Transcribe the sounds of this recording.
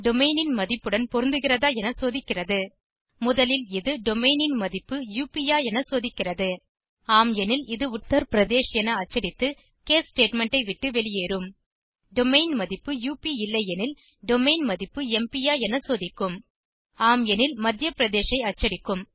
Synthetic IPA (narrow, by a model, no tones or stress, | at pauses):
ɖɔmɐɪnɪnmɐðɪpːɯɽɐnpɔɾɯnd̪ɯɣɪrɐðaːɛnɐsoːðɪkːɪrɐðɯ | mʊðɐlɪlɪðɯɖɔmɐɪnɪnmɐðɪpːɯjuːpijaːɛnɐsoːðɪkːɪrɐðɯ | aːmɛnɪlɪðɯʊt̪ːɐɾpɪɾɐðeːʂɛnɐɐt͡ʃːɐɽɪt̪ːɯ | keːsʈeːʈmɛɳʈɐɪʋɪʈːɯʋɛɭɪjeːɾɯm | ɖɔmɐɪnmɐðɪpːɯjuːpiɪlːɐjɛnɪl | ɖɔmɐɪnmɐðɪpːɯɛmpɪjaːɛnɐsoːðɪkːɯm | aːmjɛnɪlmɐd̪jɐpɪɾɐðeːʂɐɪɐt͡ʃːɐɽɪkːɯm